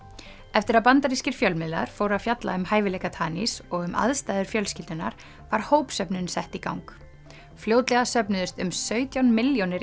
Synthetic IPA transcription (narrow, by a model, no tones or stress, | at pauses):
ɛft̪ɪɾaðpant̪aɾiscɪɾ̥fjœlmɪðla̰ɾ̥fowɾafjat̪la̰ʏmhaːjvɪlɛjkat̪ʰaːnisɔɣʏmʔa̰ðst̪aːjðʏɾ̥fjœlscɪlt̪ʏnːa̰ɾ̥ | vaɾ̥hoːwpsœpnʏnsɛht̪ikawŋk | fljoːwt̪lɛɣasœpnʏðʏst̪ʏmsœːɥt̪jawnmɪljonɪɾ